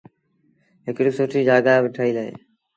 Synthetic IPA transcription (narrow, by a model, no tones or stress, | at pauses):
ɦɪkɾɪsoːʈʰiːd͡ʒaːɡaːʋɪʈʰaːiːləḛː